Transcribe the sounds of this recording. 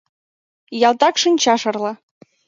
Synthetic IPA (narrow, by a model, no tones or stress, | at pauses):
jɑlˠt̪ɑkʃinʲt͡ɕɑʃɤ̆rlˠɑ